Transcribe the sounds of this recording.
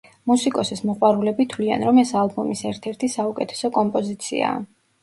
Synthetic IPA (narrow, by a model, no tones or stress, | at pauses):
musikʼɔsismɔqʼwaɾulɛbit̪ʰwlia̰nɾɔmɛsalˠbɔmisɛɾt̪ʰɛɾt̪ʰisaukʼɛt̪ʰɛ̥sɔkʼɔmpʼɔzit̪sʰḭa̰ː